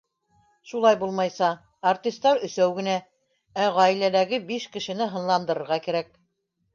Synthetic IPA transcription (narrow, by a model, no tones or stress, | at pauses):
ʃulˠɑjbulˠmɑjsɑː | rt̪ʲist̪ɑɾɵ̆sæwɡɘ̆næ | æʁɑilælæɡɘbiʃkɘ̆ʃɘ̆nɘɦɤ̆nlˠɑnd̪ɤ̆ɾɤ̆ɾʁɑkæɾæk̚